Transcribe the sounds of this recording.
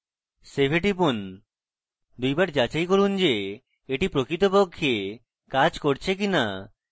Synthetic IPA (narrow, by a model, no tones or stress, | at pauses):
sebʱeʈipun | d̪ujbaɾd͡ʑat͡ɕajkoɾund͡ʑe | eʈipɾokɾit̪opokʰːje | kad͡ʑkoɾt͡ɕʰek̬ina